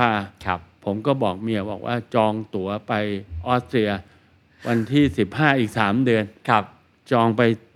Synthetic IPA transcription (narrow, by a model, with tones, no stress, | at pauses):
aː˧˩˧pʰo˩˦mkɔː˥˩bɔː˨˩k̚mi˧ɐbɔ̰ː˨˩k̚wʔa̰ː˥˩t͡ɕɔː˧ŋt̪u˩˦ɐpa˧jʔɔː˥˩t̪̚ɾi˧ɐ | wʔa˧nt̪ʰiː˥˩si˨˩p̚haː˥˩ʔiː˨˩k̚saː˩˦mdɯ˧ən˧ | t͡ɕɔː˧ŋpa˧j